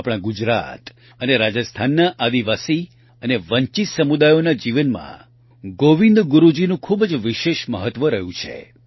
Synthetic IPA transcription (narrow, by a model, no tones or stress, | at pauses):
apɽ̃aɡud͡ʒɾa̰t̪ | əneɾad͡ʒəst̪ʰanːaʔad̪iʋasi | əneʋəɲt͡ʃisəmud̪ajonad͡ʒiʋənmã̰ | ɡoʋĩnd̪ɡuɾud͡ʒinũkʰubd͡ʒʋiʃeʃməɦət̪ʋəɾəɦũt͡ʃʰḛ